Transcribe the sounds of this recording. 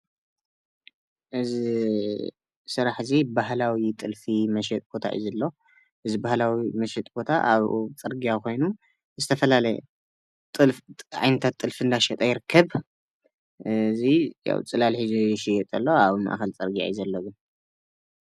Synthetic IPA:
ʔɨzi | sɨɾaħzibahlawit̪ʼɨlfimɐʃ̬ɛt̪ʼb̥o̞t̪ʰa̰ʔɨ̰zɐlːo | ʔɨzibahlawimɐʃɛt̪ʼb̥o̞t̪ʰaʔa̰βt͡sʼɨɾɡijako̞jnu | zɨt̪ʰɐfɐlalɐj̰ | t̪ʼɨʕa̰jnɐt̪ʰat̪ʼːɨlfiɨnd̪aʃɐt̪ʼajɪɾɨkʰːɐβ | ɨzija̰wt͡sʼɨlalħizʃɪjɛt̪ʼɐlːoaβma̰ʔaxɐlt͡sʼɨɾɡia̰jizɐlːoɡɨn

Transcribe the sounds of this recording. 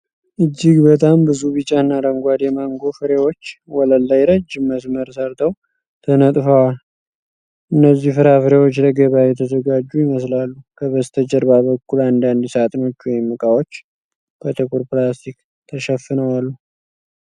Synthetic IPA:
ʔɨd͡ʒːɪɡbət̪ʰʼambɨzuβɨt͡ʃʼːaɨnːaɾəŋɡʷad̪jɛmaŋɡo̞fɨɾewo̞t͡ʃːwɔləlːajɾəd͡ʒːməsməɾsəɾt̪ʰəw | t̪ʰənət̪ʼfəwal | ʔɨnːəzːihfɨɾafɨɾewo̞t͡ʃːləɡəβjajɛt̪ʰəzəɡad͡ʒːujɪməs̬lalːukʰəβəst̪ʰəd͡ʒəɾbaβəkːuland̪and̪sat̪ʼɨno̞t͡ʃːwɔjɪmːɨkʼawo̞t͡ʃː | b̥ət̪ʰɨkʰʼuɾpɨlast̪ʰik | t̪ʰəʃəfːɨnəwalːu

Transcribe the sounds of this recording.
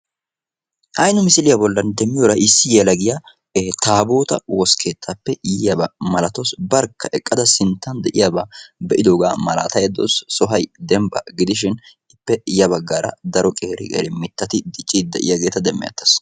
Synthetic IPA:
ʔɐjnʊmɪsɪlɪjɐbɔlːɐnd̪ɛmːɪjoːɾɐʔɪsːɪjɛlɐɡɪjɐ | t̪aːbo̞ːt̪ɐ̰wɔskʰe̞ːt̪ʰːapːɛjjɐbɐmɐlɐt̪osbɐɾkːɐʔɛkʼːɐd̪ɐsɪnt̪ːɐnd̪ɛʔɪjɐbabɛʔɪd̪o̞ːɡaːmɐla̰ːt̪ɐjɐd̪o̰ːsːɔɦɐjd̪ɛmbɐ̰ɡɪd̪ɪʃ̬ɪn | ɪpːɛɪjɐbɐɡːaːɾɐ̰d̪ɐɾɔkʼeːɾɪ̰kʼḛːɾɪmɪt̪ːɐt̪ɪd̪ɪt͡ʃʼːid̪ːɛʔɪ̰jɐɡeːt̪ɐd̪ɛmːɪ̰jɐ̰t̪ːɐ̥s

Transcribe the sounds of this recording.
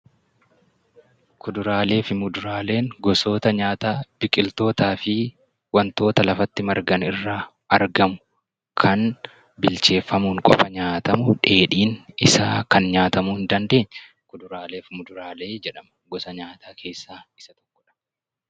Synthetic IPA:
kʊd̪ʊɾaːle̞ːfɪmʊd̪ʊɾaːle̞ːŋɡɔso̞ːt̪ɐɲaːt̪aːb̥ɪkʼɪlt̪o̞ːt̪aːfɪ | wɐnt̪o̞ːt̪ɐlɐfɐt̪ːɪmɐɾɡɐnɪrːaː | ʔɐɾɡɐmʊ̥ | kʰɐn | bɪlt͡ʃe̞ːfːɐmuːŋkʼɔ̰fɐɲaːt̪ɐmʊᶑe̞ːᶑiːnɪsaːkɐnɲaːt̪ɐmuːɪnd̪ɐnd̪e̞ːɲː | kʊd̪ʊɾaːle̞ːfmʊd̪ʊɾaːle̞ːd͡ʒɛᶑɐmɐɡɔsɐɲaːt̪aːkʰe̞ːsːaːɪ̥sɐt̪ɔ̥kːɔᶑɐ̥

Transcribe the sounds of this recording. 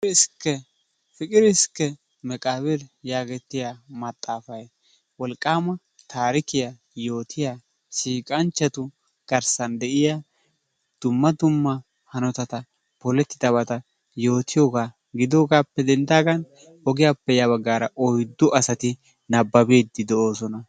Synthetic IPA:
skːɛ | fɪkʼɪɾɪskːɛ | mɛkʼaːβɪɾjaːɡɛt̪ːɪjamɐt̪ʼːaːfɐj | wɔlkʼːaːmɐ | t̪aːɾɪkɪja | jo̞ːt̪ʰɪjaː | ʃiːkʼɐnt͡ʃːɐt̪ʊ | ɡ̥ɐɾsɐnd̪ɛʔɪja | d̪̥ʊmːɐd̪ʊmːɐ | hɐnɔt̪ɐt̪ɐ | pɔlɛt̪ːɪd̪ɐβɐt̪ɐ | jo̞ːt̪ɪjoːɡaː | ɡɪd̪oːɡaːpːɛd̪ɛnd̪aːɡɐn | ɔɡɪjaːpːɛjaːβɐɡːaːɾɐʔɔjd̪ːʊʔɐsɐt̪ɪ | nɐbːɐbeːd̪ːɪd̪ɛo̞ːsɔnɐ

